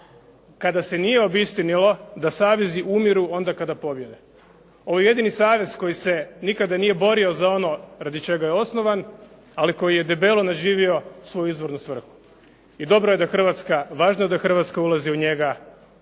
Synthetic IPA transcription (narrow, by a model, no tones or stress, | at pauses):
kad̪ase̞nije̞o̞bist̪inilo̞d̪asaːʋeziʔumiɾuo̞nd̪akad̪apo̞bje̞d̪e | o̞ʋoje̞d̪inisaːʋe̞zko̞jise̞nikad̪anije̞bo̞ɾio̞zao̞no̞ɾad̪it͡ʃe̞ɡajeo̞sno̞ʋan | aliko̞jije̞d̪e̞be̞lˠonaʒiːʋio̞sʋo̞juizʋo̞ɾnusʋr̩xu̥ | id̪o̞bɾoje̞d̪axr̩ʋat̪skaʋaːʒnojed̪axr̩ʋat̪skaulˠaziuɲe̞ɡa